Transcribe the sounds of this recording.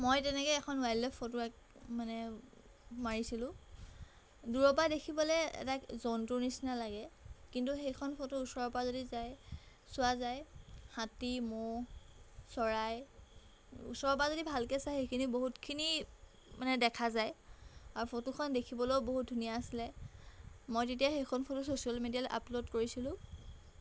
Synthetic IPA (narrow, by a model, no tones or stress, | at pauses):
mojtɛnɛkɔɛkʰɔnwajlːɛpʰotʊɛk̚ | manɛ | maɹisilʊ̃ | duɹɔp̬adekʰibɔlɛɛ̰tazɔntunisinalaɡɛkintuxejkʰɔnpʰotuusɔɹɔpazodizaj | sʊwazajhatimɔ | sɔɹaj | ṵsɔɹɔp̬azodibʱalkɛsajxejkʰiniboɦutkʰini | manɛdɛkʰazajaɹupʰotukʰɔndekʰibɔlowboɦut̚dʱunijaːsilɛ | mojtet̬ijaxejkʰɔnpʰotusosialmedialʔa̰plodkoɹisilʊ̃